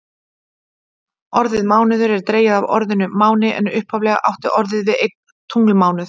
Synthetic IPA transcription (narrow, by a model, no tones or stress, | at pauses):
ɔɾðɪðmaːwnɪðʏɾɛɾt̪ɾeːjaðavɔ̰ɾðʏnʏmaːwnɪʔɛ̰nʏhphavlɛɣa̰ʔa̰wht̪ɪʔɔɾðɪðvɪðejt̪ | t̪ʰːuŋklmaːwnʏθ